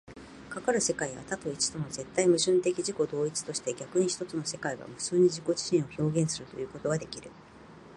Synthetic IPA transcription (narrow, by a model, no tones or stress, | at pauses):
kakaɾɯ̟se̞kaiβa̰t̪at̪o̞it͡ɕi̥d̪t̪o̞mo̞ze̞t̪ːaimɯ̟ʑɨ̃nt̪e̞kʲiʑiko̞d̪o̞ːit͡sɨ̥t̪o̞ɕi̥t̪e̞ɡʲakɯ̟ɲ̟içi̥t̪o̞t͡sɨno̞se̞kaiɡa̰mɯ̟̥sɨːɲ̟iʑiko̞d͡ʑi̥ɕĩɰ̃o̞ço̞ːɡʲẽ̞ɰ̃sɨɾɯ̟t̪o̞jɯ̟ːko̞t̪o̞ɡad̪e̞kʲiɾɯ̟